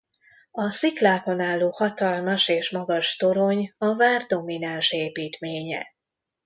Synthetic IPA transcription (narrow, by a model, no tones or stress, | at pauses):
ɒsiklaːko̞naːlːoːhɒt̪ɒlmɒʃeːʃmɒɡɒʃt̪o̞ɾo̞ɲɒvaːrd̪o̞minanʃeːpiːt̪meːɲɛ̰